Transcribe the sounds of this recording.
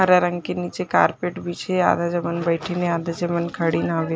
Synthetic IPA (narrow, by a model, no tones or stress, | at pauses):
ɦəɾaɾəŋkenit͡seka̰ɾpeʈbit͡ɕʰea̰d̪ad͡ʑəmənbəjʈʰenead̪ad͡ʑəmənkʰəɽiːnaʋe